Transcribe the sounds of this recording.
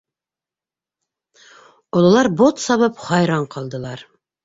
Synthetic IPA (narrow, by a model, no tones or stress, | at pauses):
olˠɑlˠɑɾbot̪sɑβɤpχɑjɾɑɴqʰɑlˠd̪ə̆lˠɑɾ